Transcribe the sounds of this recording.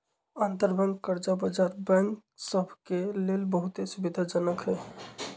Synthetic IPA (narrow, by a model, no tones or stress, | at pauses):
ant̪əɾbə̃ŋɡkəɾd͡ʒabəd͡ʒaɾbə̃ŋksəbʱkelelbəɦut̪esubid̪ʱad͡ʒənəkɦɛ